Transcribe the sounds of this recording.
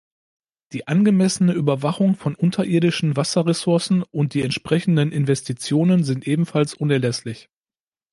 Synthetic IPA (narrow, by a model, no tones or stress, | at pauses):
d̥iːʔanɡəmɛsənəʔyːbɐvaχʊŋfɔnʔʊntʰɐʔɪiːɐdɪʃn̩vasɐʁesʊɐsn̩ʔʊnt̚d̥iːɛntʃpʁ̥ɛçn̩dənɪnvɛstʰit͡sjoːnənzɪntʔeːbm̩falsʔʊnɛɐlɛslɪç